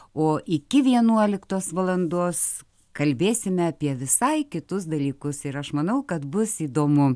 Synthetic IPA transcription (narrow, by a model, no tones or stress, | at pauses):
oːʔɪkʲɪʋʲiɛnuɔlʲɪkt̪oːsʋɐlˠɐnd̪oːs | kɐlʲbʲeːsʲɪmʲɛɐpʲiɛʋʲɪsɐɪkʲɪt̪ʊs̬d̪ɐlʲiːkʊsɪɾɐʃmɐnɐʊkɐt̪bʊsiːd̪oːmʊ